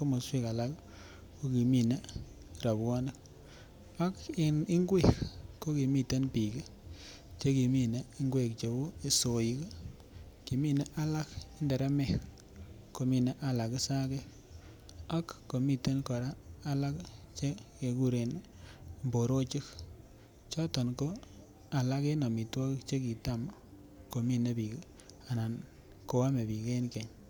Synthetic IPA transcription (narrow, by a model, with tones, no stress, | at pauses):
ko˦mo˨swi˦ka˨la˦k | ko˦ki˨mi˦na˦ | ɾa˨bwɔ˦ni˦k | a˦kɪ˨nɪ˦ŋɡwe˦˨kko˦ki˨mi˦te˦npi˨ke˦ | t͡ʃe˦ki˨mi˦na˦i˦ŋɡwe˨k̚t͡ʃe˨bo˦e˦so˨ji˦k | ki˨mi˦˨na˦ʔa˦la˦kɪ˦nde˨ɾa˦mɛ˨k | ko˨mi˨na˦ʔa˦la˨ki˦sa˦ke˦ | a˦kːo˨mi˦˨te˦nkɔ˨ɾaː˦la˦kt͡ʃe˦ke˨ku˦ɾe˨n | mbo˨ɾo˦t͡ʃi˦k | t͡ʃɔ˦tɔ˨nko˦ | a˨la˦ke˦nɔ˨mi˨twɔ˦ki˦kt͡ʃe˦ki˨ta˦˨m | ko˨mi˦ne˦pi˨k | a˨na˨n | ko˨wa˦me˨pi˨ke˦nke˨ɲ